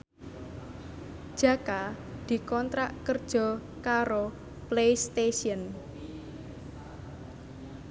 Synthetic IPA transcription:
d̥ʒ̥ä̤kad̪̥i̤kɔnt̪ɾaʔkərd̥ʒ̥ɔ̤ | kaɾo | plejst̪esiən

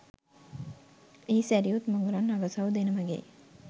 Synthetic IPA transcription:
iːsæɾiut̪moŋɡuɾanːaɡəsɐʋwd̪enəməɡḛ

